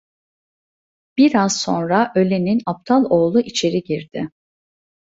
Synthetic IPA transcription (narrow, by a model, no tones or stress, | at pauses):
b̥iɾaz̥so̞̰nɾaʔø̞lʲe̞ninap̚t̪ʰalˠo̞ːlˠuʔit͡ʃʰe̞ɾiɟiɾd̪̥ɪ